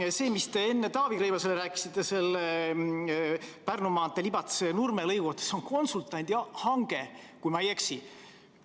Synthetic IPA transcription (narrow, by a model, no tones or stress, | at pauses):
se̞ːmist̪e̞e̞nːe̞t̪ɑːviɾejvɑseleɾæːki̥sit̪ːˑe̞se̞lːe | pærnumɑːt̪ːˑelibɑt̪senurmelɤjɡut̪ːˑe̥so̞ŋko̞nsult̪ːˑɑnʲd̪̥jɑhɑŋɡ̥e̞ | kujmɑje̞ksi